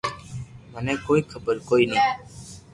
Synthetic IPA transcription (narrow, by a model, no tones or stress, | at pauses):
mənɛ̃ːkoːiːkʰəbəɾkoːiːnəĩː